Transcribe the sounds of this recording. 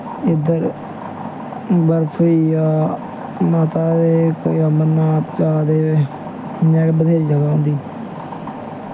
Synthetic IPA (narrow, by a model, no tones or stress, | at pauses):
ɪd̪əɾ | bəɾpʰəiːjaː | naːt̪aːd̪eːkoːiːəməɾnaːt̪t͡ʃaːd̪eːe | əɲɛ̃ːkːbəd̪ʱeːɾid͡ʒəɡaːɦʊ̃nd̪iː